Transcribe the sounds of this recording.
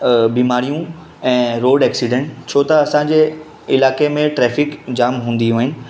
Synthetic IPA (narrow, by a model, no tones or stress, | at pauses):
biːmaːɾijũ | ɛ̃ːɾoːɖɛːksiɖẽɳʈt͡ɕʰoːt̪ɐɐsãd͡ʑeː | ɪlaːkemẽʈɾɛːfɪkd͡ʑaːmɦũːnd̪iɦũːɦɪnɪ̆